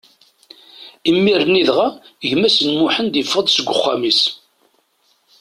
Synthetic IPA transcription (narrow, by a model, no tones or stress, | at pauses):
imːiɾəniðʁaʝmæsənmʊħənd̪jəfːəðˤsəɡʷʊ̰χːa̰mis